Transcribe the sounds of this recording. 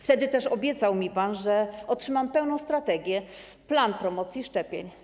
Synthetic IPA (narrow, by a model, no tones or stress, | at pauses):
ft̪ɛd̪ɘt̪ɛʂɔbʲjɛt̪sawmʲipanʐɛɔtʂɘmampɛwn̪ɔ̃w̃st̪ɾat̪ɛɡʲjɛ | planpɾɔmɔt̪sjiʂt͡ʂɛpʲjeɲ